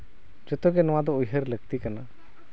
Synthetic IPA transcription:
d͡ʒɔt̪ɔɡɛnɔwad̪ɔujɦəɾləɡ̚t̪ikana

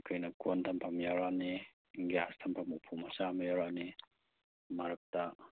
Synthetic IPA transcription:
kainakuant̪ampamiaɾane | ŋɡeast̪ʰampamupʰumasamiaɾane | maɾak̚t̪a

